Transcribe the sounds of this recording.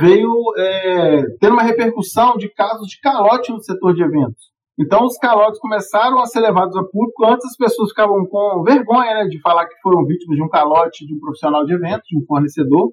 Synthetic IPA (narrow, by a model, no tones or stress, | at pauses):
vejʊɛt̪ẽɾũmɐɦepeɾkusɐ̃w̃d͡ʒɪkazʊzd͡ʒɪkalɔt͡ʃɪnʊset̪oɾd͡ʒɪevẽnt̪ʊ̥s | ẽnt̪ɐ̃w̃ʊskalɔt͡ʃɪskõmesaɾɐ̃w̃ɐseɾlevad̪ʊzapubkʊɐ̃t͡ʃ̪ɪzɐspesoɐsfi̥kavɐ̃w̃kõveɾɡõɲɐnɛd͡ʒɪfalaɾkɪ̥foɾɐ̃w̃vit͡ʃimɐzd͡ʒɪũkalɔt͡ʃɪd͡ʒɪũpɾofisionawd͡ʒɪevẽnt̪ʊzd͡ʒũfoɾnesed̪oɾ